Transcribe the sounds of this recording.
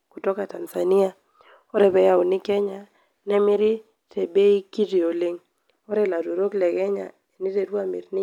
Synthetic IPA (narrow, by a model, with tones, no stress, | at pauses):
ku˨tɔ˦ka˨ta˨nsa˨ni˦a˨ | ɔ˦ɾɛ˨bɛ˨ja˨ʊ˨nɪ˦kɛ˦ɲa˨ | nɛ˦mɪ˦ɾɪ˦ | tɛ˨be˦i˦ki˦ti˨o˨lɪ˦ŋ | ɔ˦ɾɛ˦la˨to˨ɾo˦klɛ˨ɡɛ˦ɲa̰˨ | e˨ni˦ɾe˨ɾwa˨mɪ̰˨ɾnɪ˦